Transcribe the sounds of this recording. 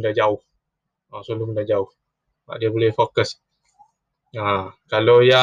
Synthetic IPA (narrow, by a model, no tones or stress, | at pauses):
ndahd͡ʒaʊh | asolʊhməndad͡ʒaʊh | a̰ʔdiabolɛhfokəs | akaloja